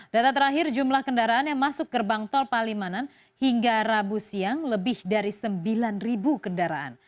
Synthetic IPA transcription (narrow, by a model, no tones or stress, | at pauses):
d̥at̪at̪̬əɾaɦɪrd͡ʒumlahkəndaɾaanjaŋmasʊk̚dərbaŋt̪ɔlpalimanan | hiŋɡaɾabusiaŋləbɪhdaɾisəmbilanribukəndaɾaʔa̰n